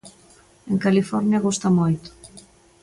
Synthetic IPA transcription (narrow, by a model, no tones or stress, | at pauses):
eŋkalifɔɾnjɐɣust̪ɐmojt̪ʊ̥